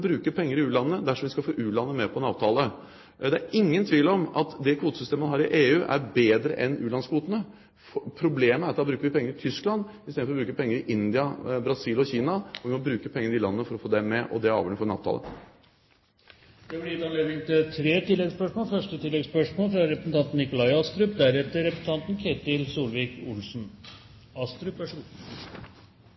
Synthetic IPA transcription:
bɾʉːkəpʰɛŋːəɾɪʉːlɑnːəd̪æʂɔmʋɪskɑfoːʔʉːlɑnːəmɛpʰɔɛnɑːʋt̪ʰɑːlə | d̪ɛæɾɪŋːənt̪ʰʋiːlɔmɑt̪d̪ɛkʰʋuːt̪əsʏst̪eːməmɑnɦɑːɾɪʔeːʉːʔæɾbeːd̪ɾə̰ʔɛnʉːlɑnskʋuːt̪ənə | fɔpʰɾʊbleːməæɾɑt̪ːɑbɾʉːkəʋɪpʰɛŋːəɾɪt̪ʰʏsklɑnɪst̪eːd̪fɔɾɔbɾʉːkəpʰɛŋːəɾɪʔɪnd̪ɪɑbɾɑsiːlɔçiːnɑɔʋɪmɔbɾʉːkəpʰɛŋːəəɾɪlɑnːənəfɔɾɔfoːd̪ɛmɛʔɔ̰d̪ɛɑ̰ːʋjɔnəfɔɾɛnɑ̰ʋt̪ʰɑ̰lə̰ | d̪̥ɛblɪt̪ɑnleːd̪nɪŋt̪ɪt̪ʰɾeːt̪ʰɪlːɛɡspœʂmoːlfœʂʈət̪ʰɪlːɛɡspœʂmoːlfɾɑɾɛpɾəsn̩t̪ɑnt̪n̩ɪkʊlɑɪɑst̪ɾʉp̚d̪æɾɛt̪ːəɾɛpɾsn̩t̪ɑnt̪nkʰeɪt̪ɪlsuːlʋiːkʊlsn | ɑst̪ɾʉpæʂ

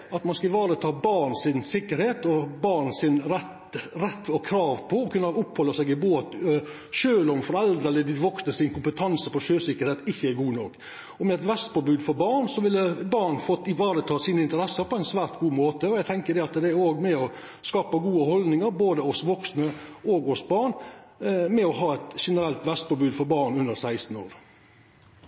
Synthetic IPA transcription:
ɑt̪mɑnskɑɪʋɑːɾət̪ʰɑːbɑɾɳsɪnsɪkːəɾheːt̪ɔbɑɾɳsɪnɾɛt̪ | ɾɛt̪ːɔkʰɾɑːʋpʰɔːkʰʉnːɑʊpːhɔlːəsɛɡɪboːt̪ | ʃøːlɔmfɔɾɛld̪ɛləd̪ɪʋɔksnəsɪnkʊmpət̪ʰɑnsəpɔʂøːsɪkːəɾheːt̪ɪçːəæɾɡuːnɔkː | ɔmɛɛt̪ʋɛst̪pʰɔbʉːd̪fɔɾbɑɳsɔʋɪlːəbɑɳfɔt̪ɪʋɑːɾət̪ʰɑːsiːnəɪnt̪əɾɛsːəpʰɔɛɪnsʋæːɾt̪ɡuːmoːt̪əɔjæɡt̪ʰɛŋkəd̪ɛɑt̪d̪ɛæɾoːɡmɛɔ | skɑːpəɡuːəhɔld̪nɪŋəɾboːd̪əɔsʋɔksnəoːɡɔsbɑːɳ | mɛɔɦɑːɛt̪ʂɛnəɾɛlt̪ʋɛst̪pɔbʉːd̪fɔɾbɑːɳʉnd̪əɾsæɪst̪n̩o̰ːɾ

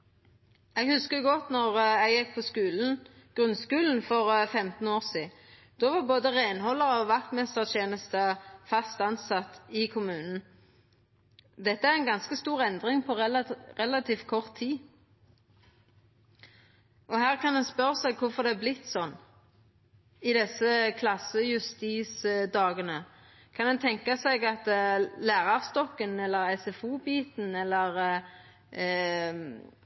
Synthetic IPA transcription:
ɛɡhʉskəjʊɡɔt̪nɔʁɛɡjɪk̚pʰɔskʉːln̩ | ɡ̥ʁʉnskʉːln̩fɔʁfɛmt̪n̩oːʁsiː | d̪̥oʋɑʁboːd̪əʁeːnhɔlːəʁɔʋʋɑk̚t̪mɛst̪əʁt̪ʰjeːnəst̪əfɑst̪ɑnsɑt̪ɪkʰʊmʉːnn̩ | d̪ɛt̪ːəæʁɛɪnɡɑnskəst̪uːʁɛnd̪ʁɪŋpʰɔʁɛlɑt̪ʰiːfkʰɔʁt̪ʰːiː | ʔɔhæːʁkɑnɛnspœʁəsɛɡkʰʊfɔʁd̪ɛæblɪt̪ːsɔnː | ɪd̪ɛsːəkʰlɑsːəjʉst̪iːsd̪ɑːɡənə | kʰɑnd̪ɛnt̪ʰɛŋkɑsɛɡɑt̪læːʁɑʁst̪ɔkːənɛlːəʁɛsɛfuːbiːt̪n̩ɛlːəʁ

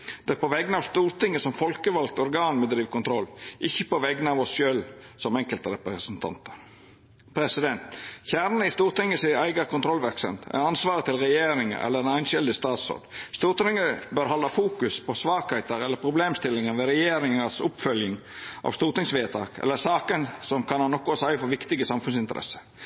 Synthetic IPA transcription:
d̪̥ɛæpʰɔʋɛɡnəɑʋst̪uːɾt̪ɪŋːəsɔmfɔlkəʋɑl̚t̪ɔɾɡɑːnmɛd̪ɾiːʋkʊnt̪ʰɾɔlːʔɪçːəpɔʋɛɡənəɑʋɔsʃøːl | sɔmɛŋkəlt̪əɾɛpɾəsnt̪ʰɑ̰nt̪ə̥ɾ | pʰɾɛsɪd̪ɛnt̪çæːɾnəɪst̪uːɾt̪ɪŋːəsɪæɪɡəkʰʊnt̪ʰɾɔlʋæɾksə̰mt̪ɛ̰ɑnsʋɑːɾət̪ʰɪlɾɛjeːɾɪŋə̰ʔɛ̰lːəɾɛnæɪnʃɛld̪ɪst̪ɑːt̪sɔ̰ɾd̪st̪uːɾt̪ɾɪŋːəbœɾhɔlːɑfuːkʉspʰɔsʋɑːkhæɪt̪əɾɛlːəɾpʰɾʊbleːmst̪ɪlɪŋənʋɛɾɛjeːɾɪŋəsʊpfœljəŋ | ʔɑ̰ʋst̪uːɾt̪ɪŋsʋeːt̪ʰɑ̰ːkʰɛ̰lːəsɑːkənsɔmkʰɑnɑnːɔkːʊsæɪfɔʋɪkt̪ɪɡəsɑmfʉnsɪnt̪əɾʔɛ̰sə̥

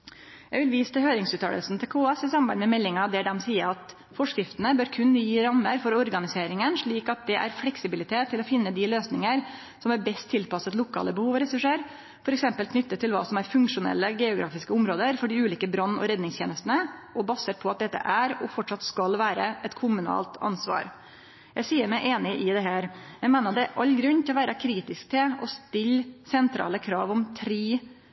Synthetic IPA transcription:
jæɪɡʋɪlʋiːst̪ʰɪlhøːɾɪŋsʉːt̪ʰɑ̰ːlə̰snt̪ʰɪlkʰoːɛsɪsɑmmbɑɪnmɛmɛlːɪŋɑd̪ɛɖ̪ɛmsiːəɾɑt̪ | fɔʂkɾɪft̪ənəbøːɾkʰʉnːjiːɾɑmːəɾfɔɾɔɾɡɑnɪseːɾɪŋənʂɭiːkɑt̪̚d̪ɛʔæ̰ɾflɛksɪbɪlɪt̪ʰeːt̪ʰːɪlɔfɪnːəd̪ɪløːsnɪŋəɾ | sɔmæɾbɛst̪ʰːɪlpɑsət̪lʊkʰɑ̰ːləbəhuːʋɾɛsʉʂeːɾ | fɔɾɛksɛmpəlkʰnʏt̪ːət̪ʰɪlʋɑ̰ːsɔmæɾfʉŋkʂʊnɛ̰lːəɡɛʊɡɾɑ̰ːfɪskəʊmɾoːd̪əɾfɔɖɪʉːliːkəbɾɑnːɔ̰ɾɛd̪nɪŋsʰjeːnəst̪ənəɔbɑsəɾpʰɔɑt̪̚d̪ɛt̪ːə̰ʔæɾɔfɔʈʂɑt̪skɑlʋæːɾəʔɛt̪kʰʊmʉnɑ̰ːlt̪ɑ̰nsʋɑ̰ːɾ | jæɪsiːəɾmɛɪʔeːnɪʔɪd̪ɛɦæːɾjɛɪmeːnəd̪ɛʔɑʎːɡɾʉnːt̪ʰɪlɔʋæːɾɑkʰɾiːt̪ɪsk̚t̪ʰɪɔst̪ɪlsɛnt̪ʰɾɑ̰ːləkʰɾɑ̰ːʋɔmt̪ʰɾiː

